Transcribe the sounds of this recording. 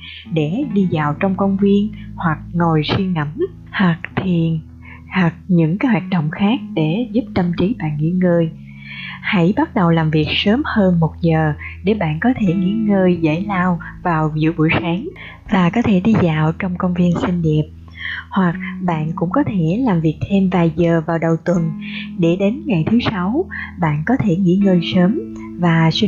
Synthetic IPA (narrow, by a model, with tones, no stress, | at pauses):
ɗe˧˩ɗi˧zaː˨˩wt͡ɕɔ˧wŋ͡mkə˧wŋ͡mvi˧ənhwa˨˩k̚ŋo˨˩jswi˧əŋə˧˩˥m | hwa˨˩k̚t̪ʰi˨˩əən | ha˨˩k̚ɲɨ̰˧˥ŋkaː˨˦jɦwaː˨˩t̚ɗə̰˧˨wŋ͡mxaː˦˥k̚ɗe˧˩zu˦˥p̚t̪ə˧mt͡ɕi˨˦ɓa̰ː˧˨nŋḭ˧˥ŋəː˧j | hə̰˧˥jɓa˦˥t̚ɗə˨˩wlaː˨˩mvi˨˩ək̚səː˨˦mhəː˧nmo˨˩t̚zəː˨˩ɗe˧˩ɓa̰ː˧˨nkɔ˨˦t̪ʰe˧˩ŋḭ˧˥ŋəː˧jzə̰˧˥jlaː˧wvaː˨˩wzɨ̰˧˥ɓṵ˧˩˨jsaː˨˦ŋ | vaː˨˩kɔ˨˦t̪ʰe˧˩ɗi˧zaː˨˩wt͡ɕɔ˧wŋ͡mkə˧wŋ͡mvi˧ənsï˧ŋ̟ɗi˨˩əp̚ | hwa˨˩k̚ɓa̰ː˧˨nkʊ̰˧˥ŋ͡mkɔ˨˦t̪ʰe˧˩laː˨˩mvi˨˩ək̚t̪ʰe˧mvaː˨˩jzəː˨˩vaː˨˩wɗə˨˩wt̪wə˨˩nɗe˧˩ɗe˨˦nŋa˨˩jt̪ʰɨ˨˦sa˨˦wɓa̰ː˧˨nkɔ˨˦t̪ʰe˧˩ŋḭ˧˥ŋəː˧jsəː˨˦m | vaː˨˩si˧